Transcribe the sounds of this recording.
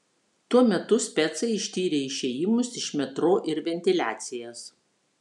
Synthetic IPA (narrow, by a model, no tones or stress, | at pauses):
t̪uɔmʲɛt̪ʊsʲpʲɛt̪sɐɪɪʃʲt̪ʲiːɾʲeːɪʃʲeːjɪmʊsɪʃmʲɛt̪ɾoːʔɪɾʋʲɛnʲt̪ʲɪlʲæːt̪sʲɪjɛːs